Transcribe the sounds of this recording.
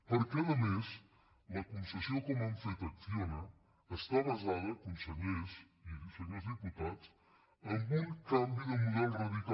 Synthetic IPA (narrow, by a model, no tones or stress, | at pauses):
pəɾkɛləmez | ləkunsəsiokomaɱfet̪əfonəː | st̪aβəzaðəkunsəʎez | iusəʎezðiput̪at͡s | əŋɡuŋkambiðəmuðɛlˠzrəðika